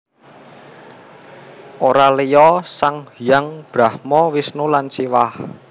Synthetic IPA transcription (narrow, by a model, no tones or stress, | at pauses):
ʔoɾalejɔsaŋhijaŋb̥ɾahmɔwisnulansiwah